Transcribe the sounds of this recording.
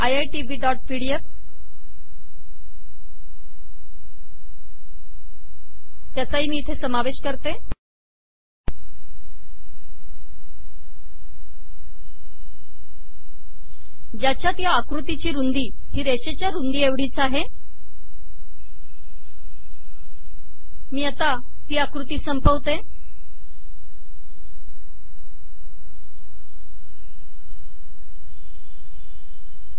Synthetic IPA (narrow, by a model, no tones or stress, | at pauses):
ajajʈiʋiːɖɔʈ̚piɽijep | t̪jat͡saɦiːmiːt̪ʰesəmaʋeɕkəɾt̪e | d͡ʑat͡ɕjat̪jaːkɾut̪it͡ɕiːɾund̪iː | ɦ̪iːɾeɕet͡ɕjaɾund̪ieʋɽiːt͡saɦe | miːat̪a | t̪iːakɾut̪iːsəmpəʋt̪e